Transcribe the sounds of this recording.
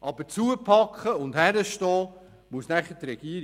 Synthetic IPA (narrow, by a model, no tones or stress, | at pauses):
ʔɑb̥ət͡suəpʰɑkχəʊndhæɾəʃtɔː | muəsnæχətɾɛɡ̥iəɾ